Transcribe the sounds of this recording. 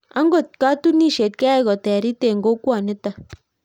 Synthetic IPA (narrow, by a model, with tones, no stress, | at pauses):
a˦ŋɡo˦˨t̚ka˦tu˦ni˦˨ʃe˨t̪̚kɛ˦ɛ˦˨ɡɔ˨tɛ˨ɾi˦te˨ŋɡo˦kwa˨nɪ˦ta˦˨